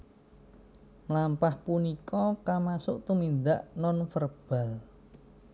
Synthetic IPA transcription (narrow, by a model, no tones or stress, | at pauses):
mlampahpunikɔkamasʊʔt̪umind̪aʔnɔnfərb̥a̤l